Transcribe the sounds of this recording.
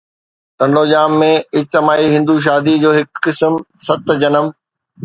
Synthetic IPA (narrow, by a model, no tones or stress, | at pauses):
t̪ɐ̃ɳɖoːd͡ʑaːmːẽɪd͡ʑt̪ɪmaːiɦɪ̃nd̪uʃ̬aːd̪id͡ʑoːɦɪkːɪsmsɐt̪d͡ʑɐnəm